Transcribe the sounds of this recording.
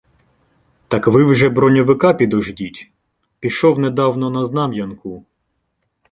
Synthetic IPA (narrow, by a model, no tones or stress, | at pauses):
t̪ɑkʋɪwʒɛbɾɔnʲɔʋɪkɑpʲid̪ɔʒdʲitʲ | pʲiʃɔwnɛd̪ɑwnɔnɐznɑmjɐnkʊ